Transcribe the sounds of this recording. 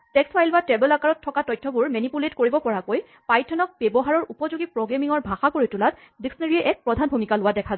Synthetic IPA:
tɛksfajlbatɛbɛlakaɹɔtʰːɔkatɔjtʰːɔbuɹmɛnipuletkoɹibɔpɔɹakoj | pajtʰɔnɔk̚bɛbɔɦaɹɔɹupɔzoɡipɹɔɡɹamiŋɔɹbʱaxakoɹitulat | diksɔneɹiɛʔɛk̚pɹɔdʱanbʱumikalʊwadɛkʰazɛ

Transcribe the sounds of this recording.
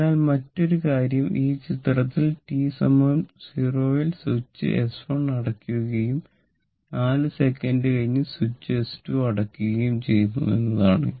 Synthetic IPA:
aːlmɐtːo̞ɾukaːɾjɐmʔiːt͡ɕit̪rɐt̪ːilʈiːsɐmɐmsiroːjilsut͡ɕːɨ̰ʔesfoɳnɐɽɐkːuɣɐjum | naːlɨse̞kːɐndɨkɐɻiɲːɨsut͡ɕːɨestuɐɽɐkːuɣɐjumt͡ɕe̞jnːṵe̞̰nːɐðaːɳɨ̰

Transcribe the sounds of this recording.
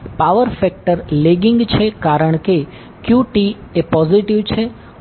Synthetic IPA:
paʋəɾfɛk̚ʈəɾleɡiŋɡt͡ʃʰekaɾəɳ̃ke | kjuʈiepɔziʈiʋt͡ʃʰe

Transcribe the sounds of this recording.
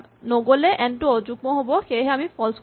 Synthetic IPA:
noɡolɛʔɛntozuɡ̚mɔɦobɔxeɦɛamipʰɔls

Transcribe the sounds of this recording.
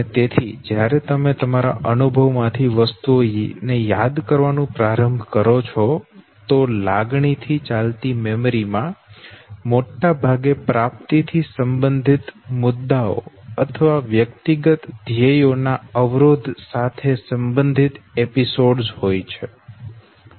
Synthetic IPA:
ənet̪et̪ʰid͡ʒjaɾet̪əmet̪əmaɾa̰ʔənubʱəʋmãt̪ʰiʋəst̪uojnejad̪kəɾʋanũpɾaɾəmbʱkəɾot͡ʃʰɔ | t̪olaɡɳit̪ʰit͡ʃalt̪imemɾimã | moʈːabʱaɡepɾap̚t̪it̪ʰisəmbənd̪ʱit̪mʊd̪ːao̰ət̪ʰəʋaʋjəkt̪iɡət̪d̪ʱjejonaəʋɾod̪ʱsat̪ʰesəmbənd̪ʱit̪episoɖzhojt͡ʃʰe

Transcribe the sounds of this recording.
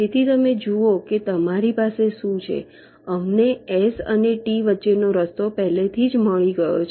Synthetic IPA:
d͡ʒet̪ʰit̪əmed͡ʒuoket̪əmaɾipaseʃũt͡ʃʰḛ | əmneesə̰neʈiʋətːʃenoɾəst̪opɛɦlet̪ʰid͡ʒməɭiɡəjo̰t͡ʃʰ

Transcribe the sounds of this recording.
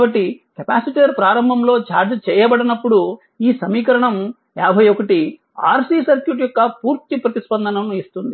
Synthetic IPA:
bɐʈːikɐpaːsiʈijɐɾpɾaːɾɐmbʱɐmlo̞ːt͡ʃaːɾd͡ʒɐt͡ʃɛːjɐbɐɽinɐpːuɽu | iːsɐmiːkɐɾɐɳɐm | jaːbʱɐjɔkɐʈi | a̰ːɾsiːsɐɾkjuʈjɔkːɐpuːɾt̪ipɾɐt̪ispɐnd̪ʱɐnɐmuist̪und̪i

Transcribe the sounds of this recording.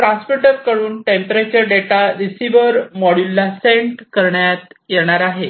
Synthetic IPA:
pɾaspeʈəɾkəɽuːnʈempɾet͡ɕəɾɖeʈaɾisiʋəɾmɔɽjulːaseɳʈkəɾɳjat̪jeɳ̃aɾaɦe

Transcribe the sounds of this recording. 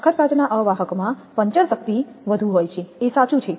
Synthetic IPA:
əkʰət̪̚kad͡ʒnaʔəʋaɦəkomã | pəɲt͡ʃəɾsək̚t̪i | ʋəd̪ʱũɦojt͡ʃʰeːsat͡ʃũt͡ʃʰe

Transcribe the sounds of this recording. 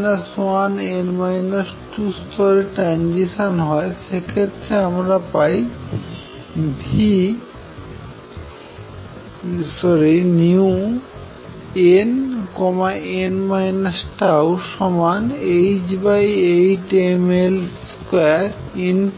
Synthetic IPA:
nasanenmajnasʈust̪ʰɔɾeʈɾand͡ʑiʃanɦɔeʃekʰet̪ːɾeamɾapaj | bʱi | sɔɾiniu | enkɔmaenmajnasʈawʃɔmanejd͡ʑbajejʈemelskeaɾin

